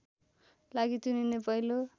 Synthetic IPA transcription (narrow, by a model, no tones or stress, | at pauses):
laɡit̪uninepʌilo